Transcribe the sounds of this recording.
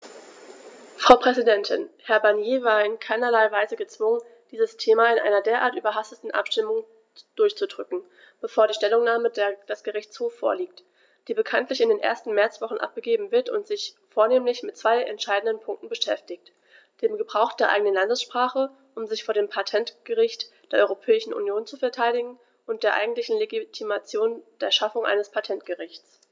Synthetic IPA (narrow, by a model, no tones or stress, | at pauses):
fʁ̥aʊpʁ̥ɛzidɛntʰɪnhɛɐbaɐnjeːvaːɐɪnkʰaɪnɐlaɪvaɪzəɡət͡sv̥ʊŋən | d̥iːzəstʰeːmaɪnʔa̰ɪnɐdeːɐʔa̰ːɐtʔyːbɐɦastətn̩ʔa̰pʃtɪmʊŋ | d̥ʊɐçt͡sudʁʏkŋ̩ | b̥əfoːɐdiːʃtɛlʊŋnaːmədd̥asɡ̥əʁɪçt͡shoːfːo̰ːɐliːk̚t | d̥iːbəkʰantlɪçɪndeːnʔḛɐstn̩mɛɐt͡sv̥ɔχn̩ʔa̰p̚ɡ̥əɡeːbm̩vɪɐtʊ̰ntz̥ɪçfoːɐneːmlɪçmɪtt͡sv̥aɪʔɛ̰ntʃaɪdn̩dənpʰʊŋk̚tn̩bəʃɛftɪç̚t | d̥eːmɡəbʁaʊxd̥eːɐʔa̰ɪɡənənlandəsʃpʁ̥aːχə | ʔʊmzɪçfoːɐdeːmpʰatʰɛntɡ̥əʁɪçtd̥eːɐʔɔʏʁopʰɛːɪʃn̩ʔṵnjoːnt͡sufɛɐtʰaɪɾɪɡŋ̩ | ʔʊntd̥eːɐʔa̰ɪɡŋ̩tlɪçn̩leɡitʰimat͡sjoːnd̥eːɐʃafʊŋʔa̰ɪnəspʰatʰɛntɡ̥əʁɪçt͡s